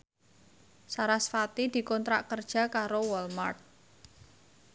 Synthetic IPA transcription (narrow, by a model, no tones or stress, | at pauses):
saɾasfat̪id̪̥i̤kɔnt̪ɾaʔkərd̥ʒ̥a̤kaɾowɔlmart̪̚